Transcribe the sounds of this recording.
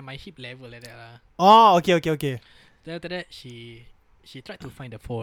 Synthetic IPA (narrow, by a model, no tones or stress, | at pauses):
majhip̚lɛvəllajk̚dɛtla | ookeokeoke | atədɛt̚ʃi | ʃitʰɹajtufãɪj̃ndəfo